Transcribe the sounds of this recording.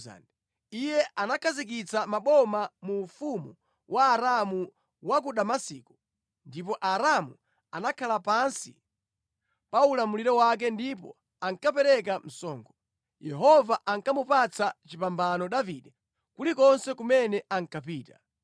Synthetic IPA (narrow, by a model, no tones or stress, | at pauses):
a̰nd | ijɛʔanakʰazik̬it͡samaɓɔmamufumu | wʔaːɾamu | wakuɗamasiːku̥ | ndip̬ɔʔaɾamu | anakʰalapansḭ | paulamuliɾɛwak̬ɛndipɔ̰ | aŋkap̬ɛɾɛkam̩sɔːŋɡʰɔ | jɛɦɔvaʔaŋkamupat͡sat͡ʃipambanɔɗaviɗɛ | kulikɔnsɛkumɛnɛaŋkapiːta